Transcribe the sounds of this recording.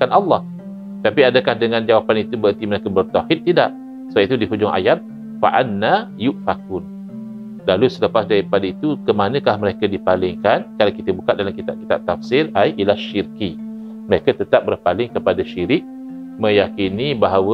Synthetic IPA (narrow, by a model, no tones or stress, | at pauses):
kanʔɑlːɑh | t̪apiadəkahdəŋãnd͡ʒawapanit̪ubəənt̪iməɾekəbərt̪awhɪt̪̚ːidaʔ | sait̪udiɦud͡ʒʊŋa̰jat̪̚ | fa̰ʔanːajuʔfakun | lalusələpasdaɾipadait̪ukəmanə̃kahməɾekədipalɪŋkankalawkit̪əbukat̪̚dalamkit̪ab̚ki̥t̪ab̚t̪afsɪlajʔilaʃirki | məɾekət̪ət̪ap̚bərpalɪŋkəpadaʃiɾɪk̚ | mə̃jakinibaɦawə